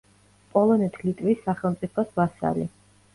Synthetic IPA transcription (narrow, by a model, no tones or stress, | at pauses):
pʼɔlˠɔnɛt̪ʰlit̪ʼvisːaχɛlˠmt̪sʼipʰɔsbasa̰lḭ